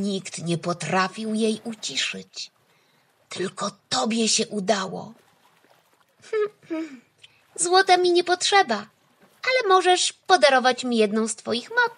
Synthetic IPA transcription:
ɲikt̪ɲɛpɔt̪ɾafʲiwjejut͡ɕiʂɘt͡ɕ | t̪ɘlkɔt̪ɔbʲjɛɕɛʔud̪awɔ̰ | m̩ | zwɔt̪amʲiɲɛpɔtʂɛba | alɛmɔʐɛʂpɔd̪aɾɔvat͡ɕmʲijɛd̪nɔ̃w̃st̪fɔjixmɔt̪

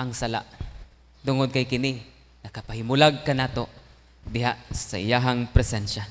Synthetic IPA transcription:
aŋsala̰ʔ | t̪ʊŋʊd̪̚kajkɪni | nɐkapahɪmʊlaɡ̚kanaːt̪o | d̪ɪɦaʔsaʔɪjaɦaŋpɾɛsɛnʃa

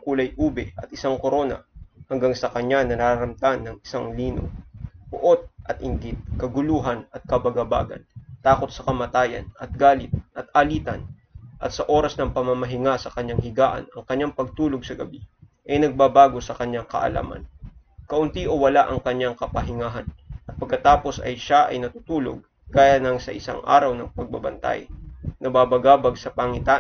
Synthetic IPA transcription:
kuːlɐjʔuːbɛʔɐt̪̚ʔɪsaŋkoɾo̞ːnɐ̰hɐŋɡaŋsɐkɐɲanɐnaɾɐɾɐmt̪anːɐŋɪ̥saŋliːno̰bʊ̰ʔot̪̚ʔɐt̪ʔɪŋɡɪt̪̚kɐɡʊluːɦɐnɐt̪̚kɐbɐɡɐba̰ːɡɐ̰nt̪aːko̞t̪̚sɐkɐmɐt̪aːjɐ̰nɐt̪̚ɡaːlɪt̪̚ʔɐt̪̚ʔɐliːt̪ɐ̰n | ʔɐt̪sɐʔo̞ːɾɐsnɐŋpɐmɐmɐɦɪŋasɐkɐɲjaŋɦɪɡaːʔɐ̰nɐŋkɐɲːaŋpɐɡ̚t̪uːloɡ̚sɐɡɐbiʔɐjnɐɡ̚babaːɡo̞sɐkɐɲːaŋkɐ̰ʔɐ̰la̰mɐ̰nkɐʔʊnt̪iʔowɐlaʔɐŋkɐɲːaŋkɐpɐɦɪŋaːɦɐnʔɐt̪̚pɐɡ̚kːɐt̪aːpo̞sɐ̰jʃaʔɐ̰jnɐt̪ut̪uːlo̰ɡ̚ | kaːjanɐŋsɐ̰ʔɪsa̰ŋʔa̰ːɾɐwnɐŋpɐɡ̚bɐbɐ̰nt̪a̰jnɐbabɐɡaːbɐɡsɐpɐŋɪt̪a

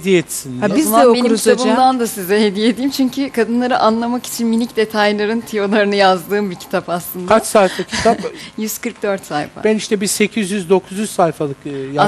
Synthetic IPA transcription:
hed̪ijɛt̪sinizɛbeiiabɯmd̪and̪asizɛɦed̪ijed̪iːmt͡ʃʰyɲcʰykʰad̪ɯnlˠaɾɯʔanlˠamaki̥t͡ʃʰinminicd̪e̞t̪ʰajlˠaɾɯnt̪ʰijo̞lˠaɾɯnɯjazd̪ɯːmbicʰi̥t̪ʰapaslˠɯnndkʰat͡ʃsajfalˠcʰi̥t̪ʰapjyz̥kɯɾk̚d̪øɾt̪sajfa̰bæniʃt̪ɛbise̞cʰizjyzd̪o̞kʰuzjyzsajfalˠɯkja

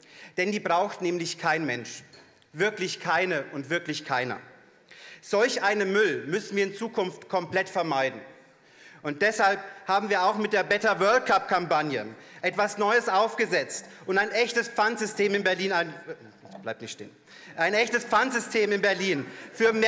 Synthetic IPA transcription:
d̥ɛndiːbʁaʊxtnɛːmlɪçkʰaɪnmɛnʃ | vɪɐklɪçkʰaɪnəʔʊntv̥ɪɐklɪçkʰaɪnɐ̰ | z̥ɔlçʔaɪnəmʏlmʏsn̩viːɐɪnt͡suːkʰʊnftkʰɔmpl̥ɛtfɛɐmaɪdn̩ | ʔʊnt̚d̥ɛshalp̚haːbm̩viːɐaʊxmɪt̚d̥eːɐbɛtɐvœɐl̚kʰap̚kʰampanjəʔɛtv̥asnɔʏəsʔaʊfɡ̥əzɛt͡stʔʊntaɪnʔɛçtəspp͡fantz̥ʏstʰeːmɪnbɛɐliːnaɪn | sb̥laɪp̚tnɪçtʃtḛːn | ʔaɪnɛçtəsp͡fantz̥ʏstʰeːmɪnbɛɐliːnfyːɐmː

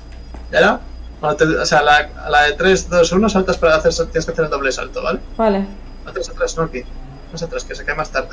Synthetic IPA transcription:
jaɾa | ont̪eoseala | laðet̪ɾe̞zðo̞sunosalt̪aspaɾaaθeɾsat̪jenekeaθeɾeld̪o̞βlesa̰lt̪oβa̰le̞bale | at̪ɾasat̪ɾasnoki | unasat̪ɾaskesekaemast̪aɾðe

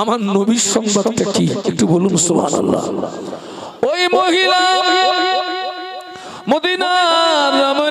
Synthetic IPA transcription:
amaɾnobiʃɔŋbad̪takikiʈubolumsubʱa̰ːnɐ̰lːa̰ | ojmoɦila | mod̪inaɾama

